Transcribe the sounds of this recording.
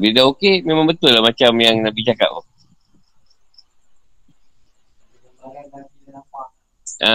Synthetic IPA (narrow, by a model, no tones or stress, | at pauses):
didaokememãŋbət̪ʊlahmat͡ʃamjaŋnabit͡ʃaka̰ʔ̚o̰ | ʔa